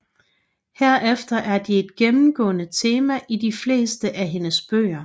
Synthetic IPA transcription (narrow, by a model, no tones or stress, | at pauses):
heɐ̰ʔefd̥ɐʔæɐd̥ie̝d̥ɡ̥emm̩ɡ̥ɔ̰̽ːnət͡sʰe̝ːmæʔidifle̝̰ːsd̥əʔæɦe̝nəsb̥ø̰ːɐ